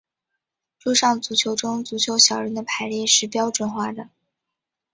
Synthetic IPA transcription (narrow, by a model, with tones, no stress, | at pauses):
ʈ͡ʂu˥˧ʂɑ˥˩ŋt͡su˧˥t͡ɕʰjo˧˥ʊʈ͡ʂʊ˥ŋt͡su˧˥t͡ɕʰjo˧˥ʊɕjɑ˨˩ʊɻə˧˥nd̪ə˧pʰa˧˥ɪljɛ˥˧ʂɻ̩˥˩pjɑ˥ʊʈ͡ʂwə˨˩nxwa˥˩d̪ə˩